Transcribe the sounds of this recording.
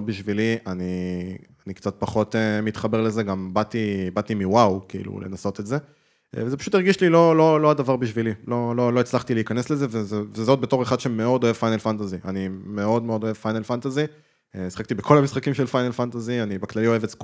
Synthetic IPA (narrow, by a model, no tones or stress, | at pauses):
biʃviliani | anikt͡sat̪̚paχo̞temit̪χabe̞ʁle̞ze̞ɡambat̪ibat̪imiwawkiḭlṵle̞̰naso̞t̪etze̞ | vezepḁʃut̪iʁɡiʃlilo̞lo̞loadavaʁbiʃvililo̞lo̞lo̞et͡slaχt̪ileikane̞sleze̞vezevezo̞t̚be̞to̞ʁeχad̪ʃe̞me̞o̞do̞e̞v̥fajnelfantaziʔanime̞o̞dme̞o̞do̞e̞vfajnelfantazi | si̥χak̚t̪ibekʰo̞lamisχakimʃe̞lfajnelfant̪azianibeklalio̞e̞vet͡sk